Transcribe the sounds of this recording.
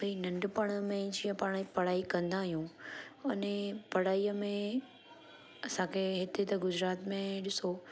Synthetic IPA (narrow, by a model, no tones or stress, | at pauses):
bɐinɐ̃ɳɖpɐɽ̃əmẽd͡ʑijə̃paːɽ̃ipɐɽ̤aːikɐ̃nd̪aːɦijũʊnepɐɽ̤aːiəmẽ | ɐsãkʰeɦɪt̪et̪ɐɡʊd͡ʑɾaːt̪mẽɗɪso